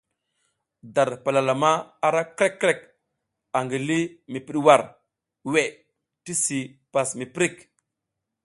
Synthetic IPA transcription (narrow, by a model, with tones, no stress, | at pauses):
da˨ɾpa˨la˨la˨ma˦a˨ɾa˦kɾe˦kːɾe˦˨k | a˨ŋɡi˨li˦mi˨pi˨ɗwa˨ɾ | we˨ | ti˦si˨pa˨smi˨pɾi˦˨k